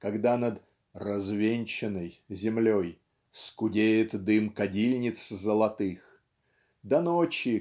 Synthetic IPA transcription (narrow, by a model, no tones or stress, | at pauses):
kɐɡd̪anəd̪ | rɐzvʲenʲt͡ɕɪnəjzʲɪmlʲoj | skʊdʲejɪt̪d̪ɨmkɐdʲilʲnʲɪt̪szəlˠɐt̪ɨx | d̪ɐnot͡ɕɪ